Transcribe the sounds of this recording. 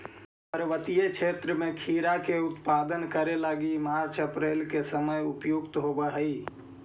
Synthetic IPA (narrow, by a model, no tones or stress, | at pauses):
pəɾʋət̪ijet͡ʃʰet̪ɾəmekʰiɾakeut̪pad̪ənkəɾelaɡimaɾt͡ʃʰəpɾelkesəməjupjukt̪ɦobəɦəi